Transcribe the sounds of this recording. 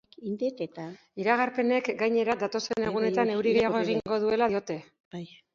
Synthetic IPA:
ind̪et̪et̪a | iɾaɣ̞aɾpe̞ne̞kɡajɲe̞ɾad̪at̪o̞se̞ne̞ɣ̞une̞t̪ane̞wɾiɣejaɣo̞eɣ̞iŋɡo̞ðue̞laðo̞t̪e̞ | baj

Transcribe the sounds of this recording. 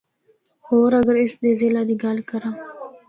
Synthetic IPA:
hoːɾɐɡəɾɪsd̪eːzelaːd̪iɡaːlkɐɾãː

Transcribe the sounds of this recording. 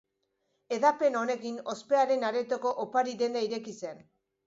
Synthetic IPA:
e̞ðape̞no̞ne̞kino̞spe̞aɾe̞naɾe̞t̪o̞ko̞ʔopaɾiðend̪eaiɾe̞kise̞n

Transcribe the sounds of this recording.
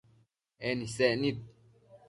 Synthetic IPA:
ɛnisɛʔnit̪̚

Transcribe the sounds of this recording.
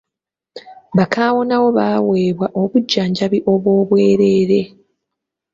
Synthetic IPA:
βakaːwo̞nawo̞βaːweːβwaʔoβuɟːaːɲɟaβiʔo̞βwo̞ːβwe̞ːɾe̞ːɾe̞

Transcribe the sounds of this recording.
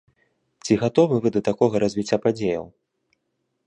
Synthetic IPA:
t͡sʲiɣat̪ɔvɨvɨd̪ɐt̪akɔɣɐɾɐzʲvʲit͡sʲːapad͡zʲejɐ̰w

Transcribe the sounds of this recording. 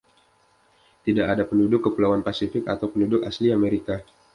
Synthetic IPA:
t̪idaʔadapəndudʊkːəpulawanpasifɪka̰t̪awpəndudʊkasliameɾika

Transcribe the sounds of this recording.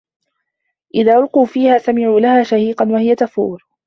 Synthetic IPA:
ʔɪðaːʔʊlquːfiːhaːsamɪʕuːlahaːʃahiːqɑnwahɪjat̪afuːɾ

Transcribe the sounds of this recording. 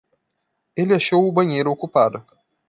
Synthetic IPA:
elʲɪaʃowʊbɐɲejɾʊokupad̪ɐ

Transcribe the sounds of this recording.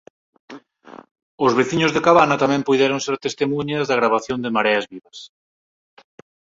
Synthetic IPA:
ʊzβeθiɲʊzðekaβanɐt̪amɛ̃mpujðɛɾoŋseɾt̪est̪emuɲazðɐɣɾaβaθjond̪ɪmaɾɛɐzβiβɐs

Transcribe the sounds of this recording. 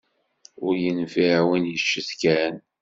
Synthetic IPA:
ʊɾjənviɾawənjəʃːəθkæn

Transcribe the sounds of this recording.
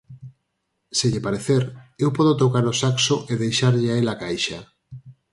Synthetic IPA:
seʎɪpaɾeθeɾewpɔðot̪okaɾosaksoʔeðejʃaɾʎɪaelakajʃa

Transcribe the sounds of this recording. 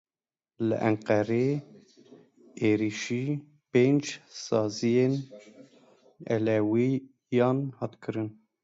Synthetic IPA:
lɨ̰ʔɛŋqɛɾe | eːɾiʃiː | peːnd͡ʒsɑːzijen | ɛ̰lɛwi | jɑːnhɑːt̪kʰɨɾɨn

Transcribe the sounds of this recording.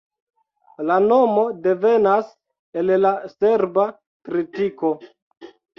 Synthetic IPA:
lano̞mo̞de̞ve̞nas | e̞llase̞ɾba | tɾitiko̞

